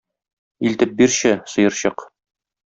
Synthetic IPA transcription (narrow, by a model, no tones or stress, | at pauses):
ilt̪ɘp̚biɾɕɘsɤ̆jɤ̆ɾɕɤq